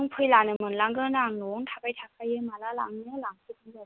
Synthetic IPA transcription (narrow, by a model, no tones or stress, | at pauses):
ɯŋpʰɯjlanɯmɯnlaŋɡɯnɾaŋnɔŋtʰabajtʰak̚ʰajɯmalala̰ŋnɯlaŋkʰɯt̚ɯŋla